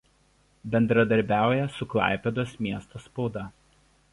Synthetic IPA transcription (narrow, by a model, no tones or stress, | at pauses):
bʲɛnd̪ɾɐd̪ɐɾʲbʲæˑʊjɛsʊklˠɑ̰ˑɪpʲɛd̪oːsmʲiɛst̪ospɔʊd̪ɐˑ